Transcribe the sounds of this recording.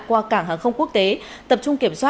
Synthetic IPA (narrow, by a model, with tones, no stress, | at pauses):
kwaː˧kaː˧˩ŋɦaː˨˩nxə˧wŋ͡mku˦˥ək̚t̪e˨˦t̪ə˨˩p̚t͡ɕʊ˧ŋ͡mki˧˩əmswaː˦˥